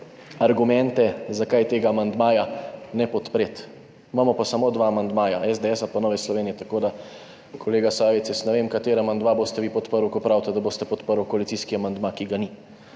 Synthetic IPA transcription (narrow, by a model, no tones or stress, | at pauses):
aɾɡumɛnt̪ɛzakajt̪eːɡaːmand̪maːjanɛpɔt̪pɾeːt̪ | imaːmɔpasamoːd̪ʋaːmand̪maːjaɛzd̪eɛsapɔnɔːʋɛslɔʋeːnijɛt̪akoːd̪a | kʰɔleːɡasaːʋet̪sjɛsnɛʋeːmkat̪eːɾaamand̪maboːst̪ɛʋipɔt̪pəɾwkɔpɾaːwt̪ɛd̪aboːst̪ɛpɔt̪pəɾwkoalit̪siskiamand̪makiɡani